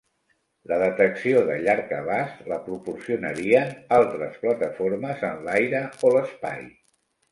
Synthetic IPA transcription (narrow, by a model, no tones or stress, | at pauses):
ləðət̪əksioðəʎaɾkə̰β̞asləpɾupuɾsiunə̰ɾiənalˠt̪ɾəsplət̪əfoɾməzənlajɾəoləspa̰j